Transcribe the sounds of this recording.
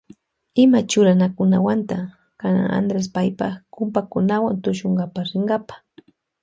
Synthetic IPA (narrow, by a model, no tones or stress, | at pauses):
ɪmat͡ʃʊɾanakʊnawant̪a | kana̰ŋa̰nd̪ɾes̬pajpakʊmpakʊnawant̪ʊʃoɴɡapaχɾɪŋɡapḁ